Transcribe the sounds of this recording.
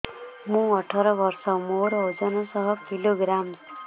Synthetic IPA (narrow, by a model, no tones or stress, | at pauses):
mũɔʈʰɔɾɔbɔɾsɔmoɾɔwd͡ʒɔnɔsɔɦɔkiloɡɾam